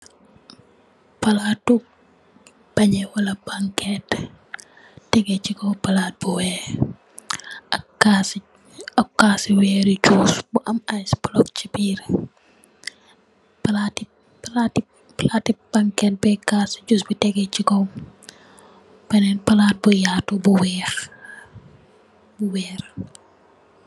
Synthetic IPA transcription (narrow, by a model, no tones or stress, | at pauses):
pɐlaːtu | bɐɲɛwɐlɐbaŋkɛt | tɛɡɛt͡ʃikɔwpɐlaːt̚buwɛː | ɐkas | ɐkaːsiwɛːɾid͡ʒusbuʔɐmajsbulɔk̚t͡ʃibiːɾ | pɐlati | pɐlati | pɐlaːtibɐŋkɛt̚bɛkaːsi̥d͡ʒusbitɛɡɛt͡ʃikɔw | bɐnɛnpɐlaːt̚bujatubuwɛːx | buwɛːɾ